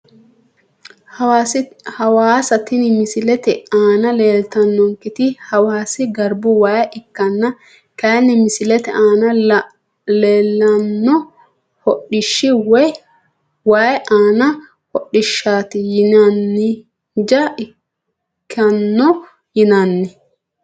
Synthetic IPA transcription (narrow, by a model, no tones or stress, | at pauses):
ashɐwaːsɐt̪ɪnɪmɪsɪlɛt̪ɛaːnɐleːlt̪ɐnːɔŋkɪt̪ɪhɐwaːsɪɡɐɾbʊwaːjʔɪkːɐnːɐ | kɐnːɪmɪsɪlɛt̪ɛʔaːnɐ | leːlːɐnːɔ | hɔɗɪʃːɪwɛ | waːjɛʔaːnɐ | hɔɗːɪʃːaːt̪ɪjɪnɐnːɪ | d͡ʒɐɪ | kːɐnːɔ | jɪnɐnːɪ